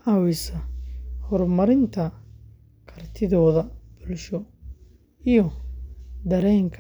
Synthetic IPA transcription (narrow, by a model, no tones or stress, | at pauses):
ɐwɪsɐhɔrmɐɾɪnt̪ʰɐ | kʰɐrt̪ʰɪðɔːðɐb̥ʊlʃɔ | ijɔ | d̪ɐɾɛːŋkʰ